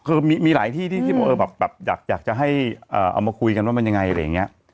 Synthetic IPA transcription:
kʰɤː˧miː˧miː˧laː˩˦jt̪ʰiː˥˩iː˥˩iː˥˩bɔː˨˩˦ʔɤː˧bɛː˨˩p̚bɛː˨˩p̚jaː˨˩k̚jaː˨˩k̚t͡ɕa˨˩ɦa˥˩jʔɤː˨˩ʔa̰˧wmaː˧kʰu˧jka˧nwaː˥˩ma˧ja˧ŋa˧jʔa˧ɾa˧jːa˨˩ŋːi˦˥ɐ

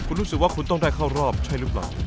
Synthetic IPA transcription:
kʰu˧nɾuː˦˥sɯ˨˩k̚waː˥˩kʰu˧nt̪ɔ˥˩ŋdaː˥˩jkʰa˥˩wɾɔː˥˩p̚t͡ɕʰa˥˩jɾɯː˦˥˩p̚la̰ː˨˩

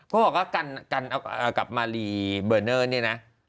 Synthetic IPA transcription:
kʰɔ˦˥bɔː˨˩k̚waː˥˩ka˧nka˧nʔa˧əː˨˩ka̰˨˩p̚maː˧liː˧bɤː˧˩nɤː˥˩niː˥˩na˦˥

